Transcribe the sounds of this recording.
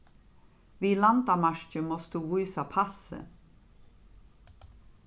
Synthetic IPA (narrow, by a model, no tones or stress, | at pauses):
ʋiːlɑnd̪ɑmɑʃt͡ʃəmoːst̪uːʋuʏsɑpʰɑsə̰